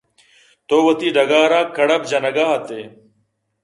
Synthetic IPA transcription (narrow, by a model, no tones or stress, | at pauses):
t̪oːwɐt̪iːɖɐɡaːɾaːkɐɽɐb̚d͡ʑɐnɐɡaɦɐt̪e